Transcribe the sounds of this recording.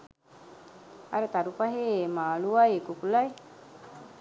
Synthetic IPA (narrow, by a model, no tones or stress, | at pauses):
ɐ̰ɾət̪aɾupaɦeːmaːluʋajekukulaj